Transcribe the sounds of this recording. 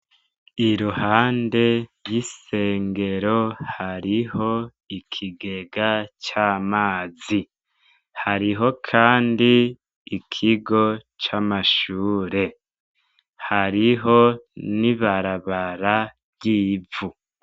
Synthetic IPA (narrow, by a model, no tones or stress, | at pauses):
iɾuhaːnde̞jiseːŋɡe̞ɾo̞haɾiho̞ | ikʰiɡeɡat͡ʃaːmaːzi | haɾiɦo̞kʰaːndiː | kʰiɡo̞ | t͡ʃamaʃuːɾe̞ | haɾiɦo̞niβaɾaβaɾa | jiːvu